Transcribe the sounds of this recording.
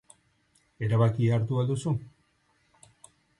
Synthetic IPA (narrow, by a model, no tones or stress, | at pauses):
e̞ɾaβakiaɾt̪uald̪usu